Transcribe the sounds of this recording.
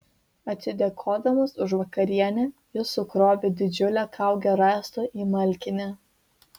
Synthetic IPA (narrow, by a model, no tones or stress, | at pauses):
ɐt̪ʲsʲɪd̪ʲɛkʰoːd̪ɐʋɐsʊʃʋɐkɐɾʲiɛnʲɛ | ɪsʊkɾoːʋʲɪd̪ʲɪd͡ʒʲʊlʲɛːkʰɑˑʊɡʲɛɾɑˑːst̪oːʔiːmɐlʲkʲɪnʲɛ